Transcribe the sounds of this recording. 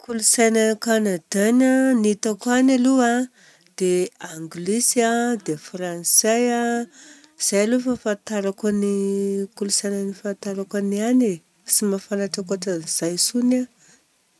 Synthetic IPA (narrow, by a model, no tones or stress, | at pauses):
kʰulusajnakanad̪ananit̪akanalua | d̪̥eaŋɡlisiad̪efransaja | z̥ajlufafant̪aɾakanikulusajnənifant̪aɾakaniane | simafanaʈ͡ʂakaʈ͡ʂaz̥ajsuna